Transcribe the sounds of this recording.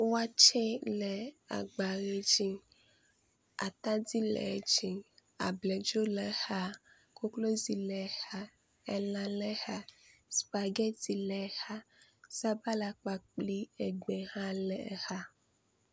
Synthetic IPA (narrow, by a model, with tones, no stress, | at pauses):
wa˦t͡ʃɛ˦lɛ˨a̰˨ɡ͡ba˨ɣe˨d͡ʒi˦ | a̰˨t̪ã˦di˦lɛ̰˨˦d͡ʒi˦a̰˨blɛ˨d͡ʒo˦lɛ˨ha˦ | ko˦klo˦zi˨lɛ˨ha˦ | ɛ̰˦lã˨lɛ˦ha˦spa˨ɡɛ˦ti˨lɛ˨ha˦sa˦ba˦la˨k͡pa˨k͡pli˦e˨ɡ͡be˨hã˦lɛ˨ha˦